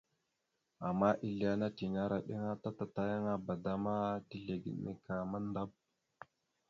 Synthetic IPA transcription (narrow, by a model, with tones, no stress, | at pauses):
a˨mːa˦ʔi˦ɮi˦a˦na˦ti˨ɲa˦ɾa˨ɗḭ˦ŋa˦ta˦ta˨ta˦ja˦ŋa˦ba˨da˦ma˦ti˦ɮe˨ɡḭ˨nḭ˨ka˨ma˦n˦da˦b̚